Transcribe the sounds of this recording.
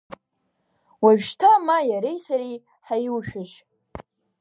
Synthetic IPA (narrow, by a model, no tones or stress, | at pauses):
waʒᶣʃtʰamajaɾejsaɾi | ħajwʃᶣɪʃ